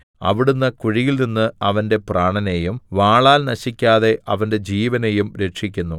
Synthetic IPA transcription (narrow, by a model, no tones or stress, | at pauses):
ɐ̰ʋiɽunːɐkuɻijilninːɨɐʋɐnde̞praːɳɐne̞jumʋaːɭaːlnɐɕikʲːaːðe̞ʔɐʋɐnde̞d͡ʑiːʋɐne̞jumɾe̞ʈʂikʲːunːu